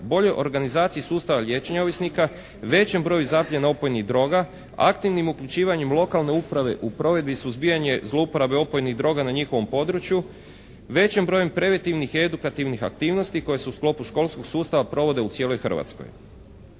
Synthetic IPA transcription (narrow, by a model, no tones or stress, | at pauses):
bo̞ʎo̞jʔo̞ɾɡanizaːt̪sijisuːst̪aʋaʎje̞t͡ʃeɲaoʋisnika | ʋe̞t͡ɕe̞mbɾo̞ːjuzapʎenao̞po̞jniɣd̪ɾo̞ːɡa | a̰kt̪iʋnimukʎut͡ʃiːʋaɲemlˠo̞kalne̞upɾaʋe̞̰ʔupɾo̞ʋe̞d̪bisuzbijaɲe̞zlˠo̞upo̞ɾabe̞o̞pojniɣd̪ɾo̞ɡanaɲixoʋo̞mpo̞d̪ɾut͡ʃju | ʋe̞t͡ɕembɾo̞jempɾe̞ʋe̞nt̪iʋnixie̞d̪ukat̪iʋnixa̰k̚t̪iːʋno̞st̪iko̞je̞se̞usklˠo̞puʃko̞lˠsko̞ɡsuːst̪aʋapɾo̞ʋo̞d̪e̞ut̪sje̞ːlojxr̩ʋa̰t̪sko̰j